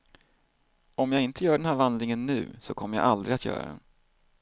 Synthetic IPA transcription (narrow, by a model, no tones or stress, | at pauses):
ɔmjaːɡɪnt̪ʰəjœːɖɛnhæːɾvand̪lɪŋənːʉ̟̰ːsɔkʰɔmːəɾja̰ʔald̪ɾɪat̪jœ̰ːɾa̰d̪ɛ̰